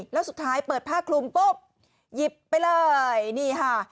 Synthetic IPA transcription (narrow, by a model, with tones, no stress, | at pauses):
lɛː˦˥wsu˨˩t̪ʰːaː˦˥jpəɤː˨˩t̪̚pʰaː˥˩k̚kʰlu˧mpo˦˥˩p̚ | ji˨˩pːa˧jlɤː˧jniː˧˥˩kʰa˥˩